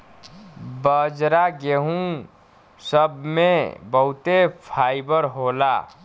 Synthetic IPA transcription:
bəd͡ʒɾaɡeɦũ | səbmẽbəɦut̪epʰaibəɾɦola̰

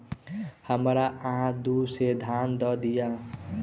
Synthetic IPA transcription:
həmɾaʔəɦãd̪used̪ʱaːnd̪ɔd̪ija

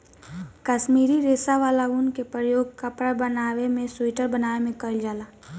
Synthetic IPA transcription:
kəʃmiːɾiɾeːsaʋaːlaʊnkepɾəjoːɡ̚kəpɾabənaːʋemẽswiːʈəɾbənaːemẽkəɾld͡ʒaːlaː

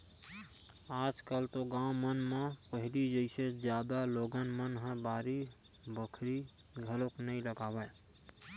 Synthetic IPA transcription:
ad͡ʒkəlt̪oɡãʊ̃mənmepəɦilid͡ʒəɪsed͡ʒjad̪aloɡənmənɦə̃baɾi | bəkʰɾi | ɡʱəloknəiləɡabɛ

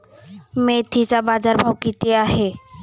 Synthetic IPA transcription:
mẽt̪ʰit͡ʃabaːd͡ʒaɾmõkit̪eaːɦe

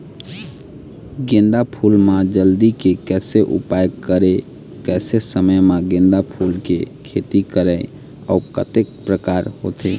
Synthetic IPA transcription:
ɡẽnd̪apʰulmad͡ʒəld̪ikekɛseʔṵpajɡkəɾe | kɛsesəməjmaɡẽnd̪apʰulkekʰet̪ikəɾəɪ | a̰ukət̪ek̚pɾəkaɾhot̪ʰe

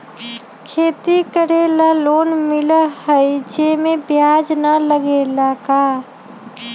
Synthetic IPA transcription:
kʰeːt̪ikəɽelaloːnmɪləhəid͡ʒemẽbjaːd͡ʒnələɡelaːka

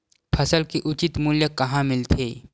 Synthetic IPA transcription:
pʰɐsəlkiʔʊt͡ʃɪt̪muljəkɐɦãmɪlt̪ʰeː

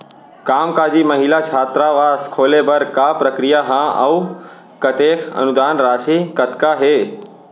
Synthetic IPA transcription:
kaːmkaːd͡ʒiːmɐɦilat͡ʃʰaːt̪ɾaʋaːskʰoːlebəɾkaːpɾəkɾijaɦãɐ̰w | kɐt̪eːkʰə̰nud̪aːnɾaːʃikət̪kaɦeː

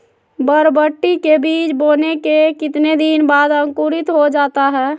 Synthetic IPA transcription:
bəɾbəʈːikebiːt͡ʃboːnekekɪt̪ned̪inbaːd̪əŋkuːɾɪt̪ɦod͡ʒaːt̪aɦɛː

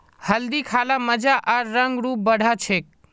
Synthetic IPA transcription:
həld̪ikʰalaməd͡ʒaʔaɾːəŋɡɾup̚bəɽ̤ʱat͡ʃʰek̚

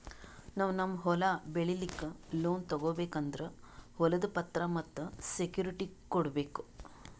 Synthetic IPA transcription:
naːʋnɐmːɐɦɔlɐbeɭilikːeloːnt̪ɐɡoːbeːkɐnd̪ɐɾe | hɔlɐd̪upɐt̪ɾɐmɐt̪ːusekjuːɾiʈikɔɽbeːku̥

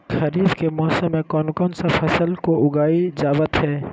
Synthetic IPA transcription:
xɐɾiːd̪kemɔːsəmːẽkɔːnkɔːnsɐfʰɐsəlkoʊɡaːid͡ʒaːʋət̪ɦɛː

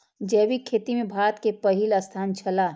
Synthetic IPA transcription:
d͡ʒɛːbikʰːeːt̪imẽbʱaːət̪kepəɦiləst̪ʰaːnt͡ʃʰəlaː

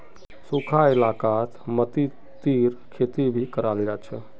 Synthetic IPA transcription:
sukʰaɪlakat̪mət̪i | t̪iɾkʰet̪ibʱikəɾald͡ʒat͡ʃʰɛ

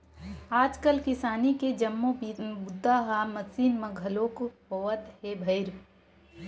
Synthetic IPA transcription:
aːd͡ʒkəlkɪsaːniked͡ʒɐmːobʊd̪ʱːaɦamɐsiːnmɐɡʱɐloːkɦoət̪ɦebʱɐɪɾ

